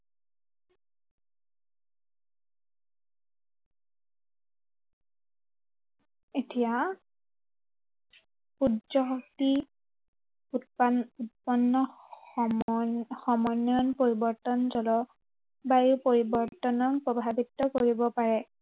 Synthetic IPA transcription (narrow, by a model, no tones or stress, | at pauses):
etija | pudd͡ʒɔɦti | utpaut̚pɔnːɔ | xɔmɔjnjɔnpoɹibɔɹtɔnzɔlɔ | bajupoɹibɔɹtɔnɔnpɹɔbʱabitːɔkoɹibɔpaɹɛ